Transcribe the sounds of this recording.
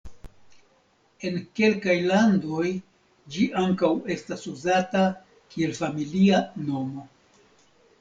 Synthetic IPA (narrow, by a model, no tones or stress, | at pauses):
e̞nke̞lkajlando̞j | d͡ʒiʔaŋkawe̞stasuzata | kie̞lfamiliano̞mo̞